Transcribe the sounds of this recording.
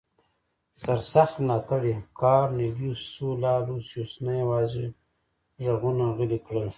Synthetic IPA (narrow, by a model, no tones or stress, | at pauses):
saɾsaxt̪lɑːt̪aɽikʰɑːɾnebjusulɑːlusjosnajawɑːzi | ʒaɣunaɣəlikɽəl